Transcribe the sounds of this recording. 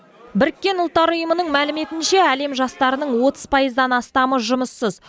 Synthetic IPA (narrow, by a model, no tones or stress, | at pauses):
bɪɾɪkʲːe̞nʊlˠt̪ːɑɾʊjəmənəɴmælɪme̞t̪ɪnʃe̞æle̞mʒɑst̪ɑɾənəɴwo̞t̪əz̥pʰɑjəzd̪ɑnɑst̪ɑməʒʊməsːəz